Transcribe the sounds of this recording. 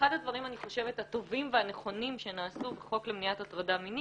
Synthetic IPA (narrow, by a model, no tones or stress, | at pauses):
adadvaʁimaniχo̞ʃe̞vetat̪o̞vimveane̞χo̞nimʃe̞naːsubeχo̞klemniatatʁadamini